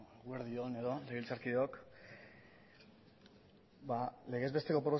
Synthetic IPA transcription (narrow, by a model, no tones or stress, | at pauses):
eɣueɾðione̞ðoleɣ̞ilt͡saɾkiðeok | bale̞ɣe̞zβe̞st̪e̞ko̞pɾo